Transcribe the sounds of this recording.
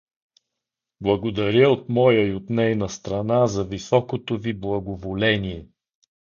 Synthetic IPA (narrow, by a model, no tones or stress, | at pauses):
blˠɐɡod̪ɐɾʲəot̪mɔjəiot̪nɛjnəst̪ɾɐnazɐvisɔkot̪oviblˠɐɡovolɛnʲiɛ